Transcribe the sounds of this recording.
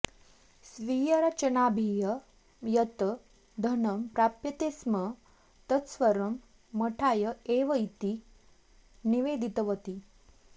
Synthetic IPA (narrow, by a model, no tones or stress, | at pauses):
sʋijəɾat͡ʃənabʱijə | jət̪ə | d̪ʱənəmpɾapjət̪esmə | t̪ət̪sʋəɾəmː | əʈʰajəeʋəit̪i | niʋed̪ʱit̪əʋət̪i